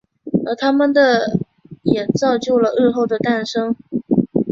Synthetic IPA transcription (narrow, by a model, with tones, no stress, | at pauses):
ə˧˥t̪ʰa˥mə˨nd̪ə˨ | jɛ˨˩t͡sɑ˥˧ʊt͡ɕjo˥˧ʊlə˩ʔ̩˥˧xo˥˩ʊd̪ə˩t̪a˥˩nʂɤ˥ŋ